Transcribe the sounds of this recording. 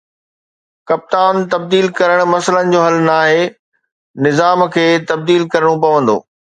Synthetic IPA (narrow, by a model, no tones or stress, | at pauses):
kɐp̚t̪aːnt̪ɐb̚d̪iːlkɐɾəɽ̃̆mɐsələnɪ̆d͡ʑoːɦɐlnaːɦeː | nɪzaːmkʰeːt̪ɐb̚d̪iːlkɐɾəɽ̃opɐʋə̃nd̪o̰ː